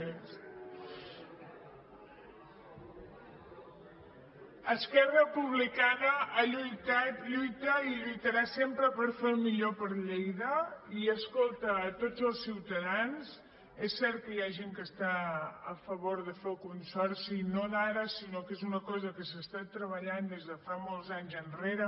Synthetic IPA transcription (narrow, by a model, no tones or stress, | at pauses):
əskɛrəpuβ̞likanəːʎujt̪aʎujt̪əiʎujt̪əɾasempɾəpəɾfelmiʎopəɾʎejðəiəskolˠt̪əːt̪od͡zəlˠsiwt̪əðanz | ɛsːɛɾt̪̚kəjaʒeŋkəst̪aəfəβoɾðəfelˠkunsɔrsinonaɾəsinokezunəkɔzəkəsəst̪at̪ɾəβəʎand̪ezðəfamolˠzaɲzənreɾə